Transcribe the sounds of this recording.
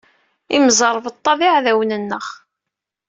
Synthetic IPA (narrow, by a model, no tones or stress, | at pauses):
imzˤəɾˤvət̪ˤːɑbiʕðæwnənːəχ